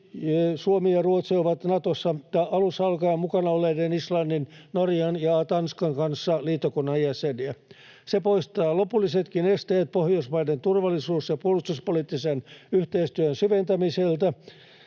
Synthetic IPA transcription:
suomiɑruot̪sioʋɑt̪nɑt̪osːɑj̪ɑʔɑlusɑlkɑːmukɑnɑoleːdenislɑnːinnorjɑnjɑt̪ɑnskɑŋkɑnsːɑliːt̪ːokonːɑjjæseniæ | sepoist̪ɑːlopulːiset̪kinest̪eːt̪̚pohjosmɑident̪urʋɑlːˑisuːsjɑpuolust̪uspoliːt̪ːisenyht̪eist̪yønsyʋent̪æmiselt̪æ

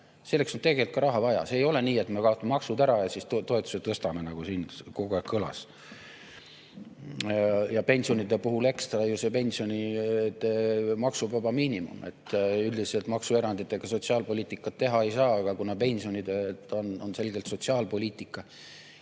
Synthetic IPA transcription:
se̞lːeksont̪e̞ɡe̞lt̪kɑɾɑɦɑvɑjɑ̰se̞ːjo̞le̞niːe̞t̪me̞kɑot̪ːˑɑmemɑksud̪æɾɑjɑsist̪t̪o̞e̞t̪ːˑu̥se̥t̪ɤst̪ɑmenɑɡ̥usiːnko̞ɡuækːɤlɑ̰s | jɑpe̞nʲsio̞nid̪epuɦule̞kst̪ɑɑjuse̞pe̞nʲsio̞nit̪ːmɑksubɑbɑmiːnʲimṵme̞̰t̪ːyld̪iselt̪mɑksue̞ɾɑnd̪̥it̪ːˑe̞ɡ̥ɑso̞tsiɑːlpo̞lʲiːt̪ːˑikːˑɑt̪ːe̞ɦɑe̞jsɑːɑɡ̥ɑkunɑpe̞nʲsio̞nid̪et̪ːˑononse̞lɡ̥elt̪so̞t̪siɑːlpo̞lʲiːt̪ːˑikːˑɑ

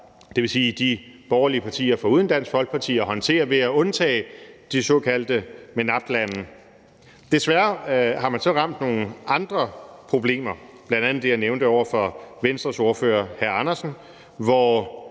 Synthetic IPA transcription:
d̥e̝ʋe̝siːd̥ib̥ɒʊɐliəpʰɑ̈t͡sʰḭːɐfɒuðˠən̩d̥æn̰sɡ̥fɒ̽l̰ɡ̥̚pʰɑ̈t͡sʰḭːɐɦɒ̽nt͡sʰe̝̰ːɐʋe̝æɔ̽nt͡sʰɛ̰ːd̥isɔ̽kʰæl̰d̥əmenɑ̈fd̥lænn̩ | d̥e̝sʋæɐhɑ̈mænsɒ̽ʁɑ̈m̰d̥no̝ːn̩ɑ̈nd̥ʁɐpʰʁo̝b̥le̝̰ːmɐb̥lænd̥ænð̩ˠd̥e̝jɑneʊnd̥əɒʊ̰ɐfɒ̽ʋensd̥ʁɐso̝ɐfø̰ːɐhæɐɑnɐsn̩ | ʋɒ

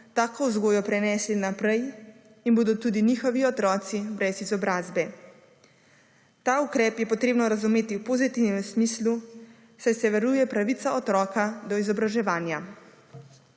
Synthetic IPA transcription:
t̪aːkɔzɡoːjɔpɾɛnɛslinapɾɛj | inboːd̪ɔt̪ud̪iniːxɔʋiɔt̪ɾɔːt̪sibɾɛzizɔbɾaːzbɛ | t̪aːukɾɛːpjɛpɔt̪ɾeːbnɔɾazumeːt̪iwpozit̪iwnɛmsmiːslu | sajsɛʋɛɾuːjɛpɾaʋit̪saɔt̪ɾɔːkad̪ɔizɔbɾaʒɛʋaːnja

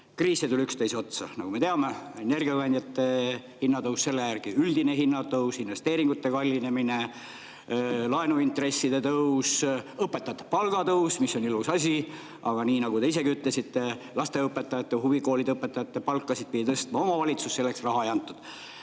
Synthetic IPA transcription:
kriːsːet̪ulʲykst̪ejso̞t̪sɑnɑ̰ɡ̥ume̞t̪eɑme̞e̞ne̞rɡiɑkɑnʲd̪ʲjɑt̪ːe̞ | hinːɑt̪ɤwsse̞lːejærɡ̥iyld̪ine̞ɦinːɑt̪ɤwsinve̞st̪eːɾiŋɡ̥ut̪ːe̞kɑlʲːine̞mine̞ | lɑenuint̪re̞sːid̪e̞t̪ɤusɤpːˑet̪ːˑɑjɑt̪ːˑe̥pɑlɡ̥ɑt̪ɤusmisːo̞nilusɑsʲi | ɑɡ̥ɑniːnɑɡut̪eise̞ɡiyt̪ˑle̞sit̪ːelɑst̪e̞ɤpːe̞t̪ːˑɑjɑt̪ːˑeɦuviko̞ːlid̪ɤpːet̪ːˑɑjɑt̪ːe̞pɑlkˑːɑsid̪̥̚pid̪it̪ɤst̪mɑo̞mɑvɑlʲit̪susːse̞lːe̞ksrɑɦɑejɑnt̪ːˑud̪̥

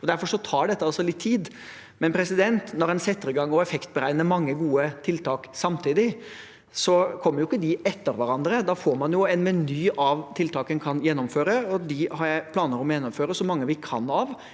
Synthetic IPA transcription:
ɔd̪æɾfɔɾʂɔt̪ʰɑːɖɛt̪ːəɑlsɔlɪt̪ʰːiːd̪ | mɛnpʰɾɛsɪd̪ɛnt̪nɔɾɛnsɛt̪ːəɾɪɡɑŋːɔɛfɛkt̪̚bəɾæɪnəɾmɑŋːəɡuːət̪ʰɪlt̪ʰɑːksɑmt̪ʰiːd̪ɪ | sɔkʰɔmːəɾjʊɪkːəd̪ɪʔɛt̪ːəɾʋæɾɑnd̪ɾəd̪ɑfoːɾmɑnjʊɛnʋɛnyːʔɑʋt̪ʰɪlt̪ʰɑːkənkʰɑnjɛnːɔmføːɾəɔd̪ɪhɑɾjæɪpʰlɑːnəɾɔmjɛnːɔmføːɾəsɔmɑŋːəʋɪkʰɑ̰nɑʋ

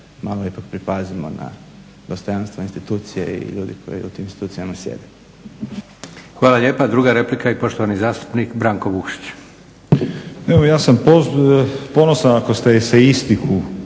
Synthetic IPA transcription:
maːlˠoipakpɾipazimo̰na̰ | d̪̥ost̪ojanst̪ʋoinst̪it̪uːt̪sijḛḭʎuːd̪ikʰo̞̰jḭṵt̪iminst̪it̪uːt̪sijamasjḛd̪e | xʋaːlaʎeːpad̪ɾuːɡaɾe̞plikaipo̞ʃt̪oʋanizaːst̪u̥pnikbɾaːŋkoʋukʃi̥t͡ɕ | eʋojaːsampopo̞nosanakost̪eseist̪iku

